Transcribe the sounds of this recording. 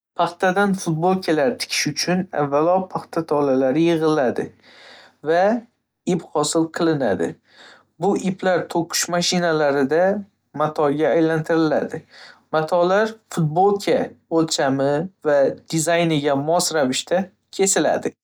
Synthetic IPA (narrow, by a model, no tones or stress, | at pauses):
pʰɑχt̪ʰad̪anfʊt̪̚bolˠkʲʰelaɾt̪ʰɪ̥kʲʰɪ̥ʃʊt͡ʃʰʊna̰vːalɒpʰaχt̪ʰat̪ʰɒlalaɾɪjɨʁɨlad̪ɪ | va | iphɒsɪlˠqʰɨlˠɪna̰d̪ɪ̰ | bʊʔipʰlaɾt̪ʰoqʰʊ̥ʃmaʃɪnalaɾɪd̪a | mat̪ʰɒɡʲaːjlant̪ʰɪɾɪlad̪ɪmat̪ʰɒlaɾfʊt̪̚bolˠkʲʰaolˠt͡ʃʰamɪvad̪̥ɪzajnɪɡʲamɒsɾavɪʃt̪ʰa | kʲʰe̞sɪla̰d̪ɪ